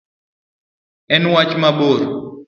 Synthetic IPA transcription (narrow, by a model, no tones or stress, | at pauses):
ɛnwat͡ʃmaboɾ